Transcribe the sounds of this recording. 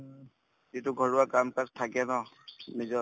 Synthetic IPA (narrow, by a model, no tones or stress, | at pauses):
zitʊɡʱɔɹʊwakamkaktʰakɛnɔ | nizɔ